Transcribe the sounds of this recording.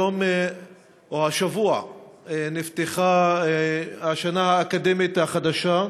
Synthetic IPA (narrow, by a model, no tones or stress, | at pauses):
om | ohaʃavua | nift̪eχa | haʃanahaːkad̪emit̪haχad̪aʃa